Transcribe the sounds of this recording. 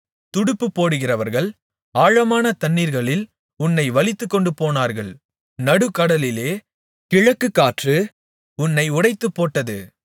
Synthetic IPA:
t̪ʊɽʊpːɯpːoːɽɯɣɪrɐʋɐɾɣɐɭ | aːɻɐmaːnɐt̪ɐnːiːɾɣɐɭɪl | ʊnːɐɪʋɐlɪt̪ːɯkːɔɳɖɯpoːnaːɾɣɐɭ | nɐɽɯkːɐɽɐlɪleː | kɪɻɐkːɯkːaːʈrɯ | ʊnːɐɪʊɽɐɪt̪ːɯpːoːʈːɐðɯ

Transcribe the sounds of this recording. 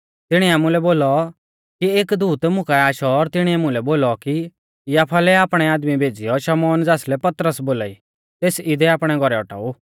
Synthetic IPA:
t̪ɪɽ̃iaːmũlɛboːlɔ | kieːkd̪uːt̪mʊkaaːʃɔɾt̪ɪɽ̃iɛmʊ̃lɛboːlɔki | jaːpʰalɛaːpɽ̃ɛaːd̪mibʱeːd͡zɪjɔʃɐmɔːnd͡zaːslɛpɐt̪ɾəsboːla̰ḭ | t̪eːsɪd̪ɛaːpɽ̃ɛɡʱɔɾɛɔʈa̰ːu

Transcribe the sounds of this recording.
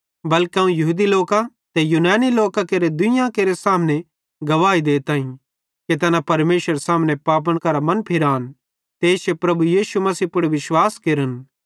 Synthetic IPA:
bɐlkeãũjɐɦud̪iloːkã | t̪ɛjunaːniloːkakeːɾed̪ʊjãkeːɾesaːmnẽ | ɡɐʋaːid̪eːt̪ãːĩ | ket̪̬ɛːnãpɐɾmeːʃəɾsaːmnẽpaːp̬əɽ̃kɐɾamɐ̃npʰɪɾaːn | t̪eːt͡ʃʰepɾɐbujiːʃumɐsiːpʊɽeʋɪʃwaːskeːɾən

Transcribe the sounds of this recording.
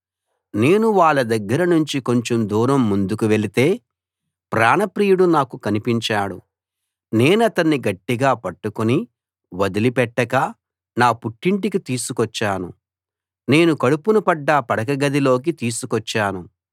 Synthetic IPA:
ne̞ːnuʋaːɭːɐd̪ɐɡːɐɾɐnuɲt͡ʃiko̞ɲt͡ʃomd̪uːɾɐmːund̪ukuʋe̞lit̪e̞ː | pɾaːnɐpɾiːjuɽunaːkukɐnipiɲt͡ʃaːɽṵ | ne̞ːnɐt̪ɐnːiɡɐʈːiɡaːpɐʈːukuni | ʋɐd̪ilipɛʈːɐkɐ | naːpuʈːiɳʈikit̪iːsukɔt͡ʃːaːnṵ | ne̞ːnukɐɽupunupɐɖːaːpɐɽɐkɐɡɐd̪ilo̞ːk̬it̪iːsukɔt͡ʃːaːnu

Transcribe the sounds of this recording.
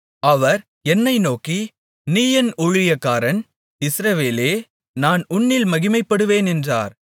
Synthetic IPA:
ɐʋɐɾ | ɛnːɐɪnoːki | niːjɐnʊɻɪjɐkːaːɾɐn | ɪsɾɐʋeːleː | naːnʊɳːɪlmɐɣɪmɐɪpːɐɽɯʋeːnɛndra̰ːɾ

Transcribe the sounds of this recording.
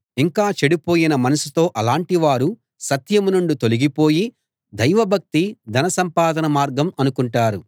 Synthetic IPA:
iŋkaːt͡ʃeɽipo̞ːjinɐmɐnɐsit̪o̞ːʔɐlaːɳʈiʋaːɾu | sɐt̪jɐmunuɳɖut̪o̞liɡipo̞ːji | d̪ɐjʋɐbʱɐk̚t̪id̪ɐnɐsɐmpaːd̪ʱɐnɐmaːɾɡɐmɐnukuɳʈaːɾu

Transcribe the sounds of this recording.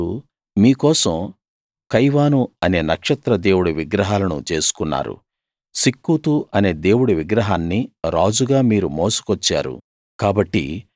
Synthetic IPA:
u | miːkɔːsɐ̃m | kɐjʋaːnuɐne̞ːnɐkʂɐt̪ɾɐd̪e̞ːwuɽuʋiɡɾɐɦaːlɐnṵt͡ʃe̞ːsu̥kunːa̰ːɾṵ | sikːut̪uʔɐne̞ːd̪e̞ːwuɽuʋiɡɾɐɦaːnːiɾaːd͡ʒuɡaːmiːɾumoːsu̥kɔt͡ʃːa̰ːɾṵ | kaːbɐʈːḭ

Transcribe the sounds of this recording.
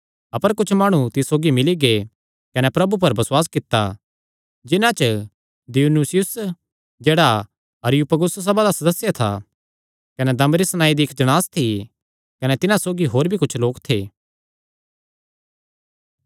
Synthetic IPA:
ɐpəɾkʊt͡ʃʰmaːɽ̃ut̪ɪssoːɡimɪliɡe | kɐnɛpɾɐbup̬ɐɾbɐswaːskɪt̪ːa̰ | d͡ʒɪnãt͡ʃə | d̪ɪunusɪjʊs | d͡ʒeːɽa | ɐɾɪjupɐɡʊssɐbad̪asɐd̪əsːjat̪ʰa̰ | kɐnɛd̪ɐmɾisñaːid̪iɪkd͡ʒɐɽ̃aːst̪ʰi | kɐnɛt̪ɪnãsoːɡiɦoːɾbʱikʊt͡ʃʰloːkt̪ʰḛː

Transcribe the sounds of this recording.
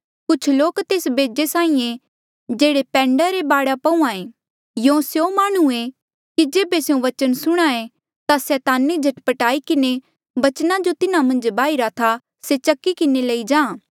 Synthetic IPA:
kʊt͡ʃʰloːkt̪eːsbeːd͡ʒesaːĩẽ | d͡ʒeːɽepɛ̃ːɳɖaɾebaːɽapɐũãe | jõːsjomaːɽ̃ue | kid͡ʒeːbeseũʋɐt͡ʃənsʊɽ̃aẽ | t̪asɛːt̪aːnid͡ʒʱɐʈpəʈaːikɪne | bɐt͡ʃnad͡ʒot̪ɪnãmɐ̃nd͡ʒbaːiɾat̪ʰa | set͡ʃɐkːikɪnelɐid͡ʒãː

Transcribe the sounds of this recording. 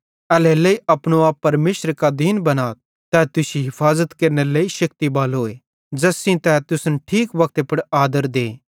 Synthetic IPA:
ɛːlelɐiɐpnõaːpːɐɾmeːʃəɾkad̪iːnbɐnaː | t̪ɛt̪ʊsiɦɪpʰaːzət̪keɾneleːiʃɐkt̪ibaːlɦoːe | d͡ʒɐsĩt̪ɛt̪ʊsənʈʰiːkʋɐk̚t̪epɐɽaːd̪əɾd̪ẽː

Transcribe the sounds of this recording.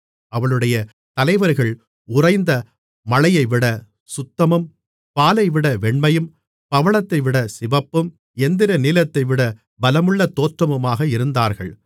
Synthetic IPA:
ʔɐʋɐɭɯɽɐjɐ | t̪ɐlɐɪʋɐɾɣɐɭ | ʊrɐɪnd̪ɐ | mɐlɐjɐɪʋɪɽɐ | sʊt̪ːɐmɯm | paːlɐɪʋɪɽɐʋɛɳmɐjɯm | pɐʋɐɭɐt̪ːɐɪʋɪɽɐsɪʋɐpːɯm | ɛnd̪ɪɾɐniːlɐt̪ːɐɪʋɪɽɐ | bɐlɐmɯɭːɐt̪ːoːʈrɐmɯmaːɣɐɪɾɯnd̪aːɾɣɐɭ

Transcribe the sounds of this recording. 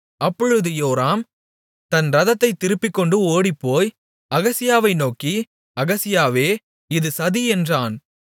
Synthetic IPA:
ɐpːɔɻɯðɯjoːɾaːm | t̪ɐnɾɐðɐt̪ːɐɪt̪ːɪɾɯpːɪkːɔɳɖɯoːɽipːoːj | ɐɣɐsɪjaːʋɐɪnoːki | ɐɣɐsɪjaːʋeː | ɪðɯsɐðiɛndraːn

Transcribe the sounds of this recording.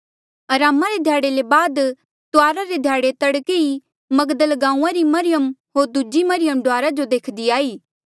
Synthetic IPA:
ɐɾaːmaɾed̪ʱjaːɽelebaːd̪ | t̪ʊaːɾaɾed̪ʱjaːɽet̪ɐɽkei | mɐɡd̪əlɡãːũãɾimɐɾɪjəmɦoːɾd̪ud͡ʒimɐɾɪjəmɖʊaːɾad͡ʒod̪eːkʰd̪iaːiː

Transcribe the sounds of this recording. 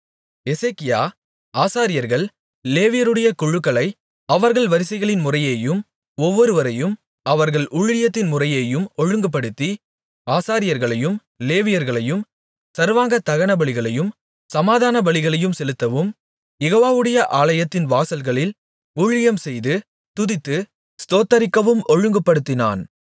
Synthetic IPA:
ɛseːkːɪjaː | aːsaːɾɪjɐɾɣɐɭ | leːʋɪjɐɾɯɽɐjɐkʊɻɯkːɐɭɐɪ | ɐʋɐɾɣɐɭʋɐɾɪsɐɪɣɐɭɪnmʊrɐjeːjɯm | ɔʋːɔɾɯʋɐɾɐjɯm | ɐʋɐɾɣɐɭʔʊɻɪɪjɐt̪ːɪnmʊrɐjeːjɯmɔɻɯŋɡɯp̬ːɐɽɯt̪ːi | aːsaːɾɪjɐɾɣɐɭɐjɯm | leːʋɪjɐɾɣɐɭɐjɯm | sɐɾʋaːŋɡɐt̪ɐɣɐnɐbɐɭɪɣɐɭɐjɯm | sɐmaːðaːnɐbɐɭɪɣɐɭɐjɯmsɛlɯt̪ːɐʋɯm | jɛɣoːʋaːʋɯɽɐjɐʔaːɭɐjɐt̪ːɪnʋaːsɐlɣɐɭɪl | uːɻɪjɐmsɛjðɯ | t̪ʊðɪt̪ːɯ | st̪oːt̪ːɐɾɪkːɐʋɯmɔɻɯŋɡɯpːɐɽɯt̪ːɪna̰ːn

